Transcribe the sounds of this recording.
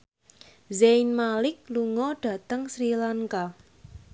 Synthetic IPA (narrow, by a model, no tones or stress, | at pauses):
zejnmalɪk̚luŋɔɖ̥ä̤t̪əŋsɾilaŋka